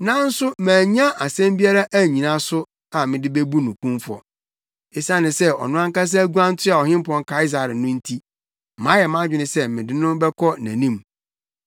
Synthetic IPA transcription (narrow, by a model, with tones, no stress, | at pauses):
nã˦n̩˦sʊ˦mæ̃ː˨ɲã˦ʔa˨sɛ̃˦mbi˦a˦ɾa˦ʔæ˦˨ɲĩ˨nã˦sʊ˦ | a˨mɪ̃˨dɪ˦be˦bu˦nʊ̃˨kũ˦mfɔ̰˨ | e˨sã˦nɪ̃˨sɛ˦ɔ̰˨nʊ̃˦ã˦ŋ˦ka˦s̬ɛ˦æ˦ɡu˦ã˦n̩˦tʰa˨ɔ˨ɦɪ̃˦mpʰɔ̃˦ŋ˦kʰa˨˦i˦s̬a˨ɾɪ˨nʊ̃˦n̩˦tʰi˦ | mã˨˦jɛ˨mã˦d͡ʑᶣɪ˨nɪ̃˨sɛ˦mɪ̃˨dɪ˦nʊ̃˦bɛ˦kʰɔ˦næ̰̃˨nĩ˦m